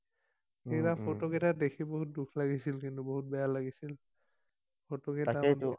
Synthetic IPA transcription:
xejbapʰotɔkɛtadekʰiboɦut̚dukʰlaɡisilkintuboɦut̚bɛjalaɡisil | pʰotɔkɛtan

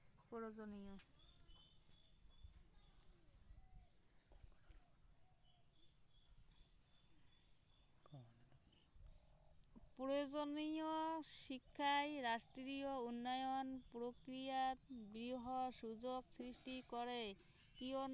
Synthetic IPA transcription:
poozonijɔ | pɾoozonijɔʃikʰːajɾasʈɾiɾijɔunːajɔnpɾokɾijat̪bɾiɦɔsuzoksɾisʈikɔɾe | kijɔn

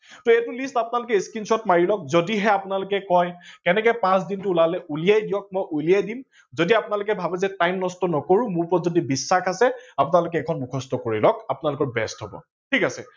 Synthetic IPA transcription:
tɔɛtʊlistapʊnalʊk̬ɛiskinsɔtmaɹilɔk̚zodiɦɛapʊnalʊkɛkɔjkɛnɛkɛpãsdintʊulalɛʔulijajdijɔk̚mɔjʔulijajdim | zodiapʊnalʊkɛbʱabɛzɛtajmnɔstɔnɔkoɹumʊɹpɔzodibisːaxasɛapʊnalʊk̬ɛkʰɔnmukʰɔstɔkoɹilɔkapʊnalʊkɔɹbɛstɦɔbɔ̰ | tʰikasɛ̰

